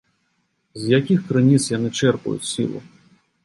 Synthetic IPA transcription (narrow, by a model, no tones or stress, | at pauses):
zʲjakʲixkɾɨnʲit̪sjanɨt͡ʂɛrpṵjṵt͡sʲsʲḭlˠṵ